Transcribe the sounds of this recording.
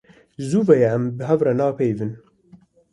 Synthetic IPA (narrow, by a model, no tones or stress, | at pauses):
zuːvɛjɛæmbɨɦɛvrɛnɑːpʰejvɨn